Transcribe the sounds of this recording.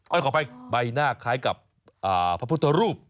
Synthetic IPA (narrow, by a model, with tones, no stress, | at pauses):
kʰɔ˧˥˩jkʰɔː˩˦pa˧jba˧jnaː˥˩kʰaː˦˥jka˨˩p̚ | ʔaː˨˩pʰɾa˦˥pʰu˥t̪ʰːa˧ɾuː˥˩p̚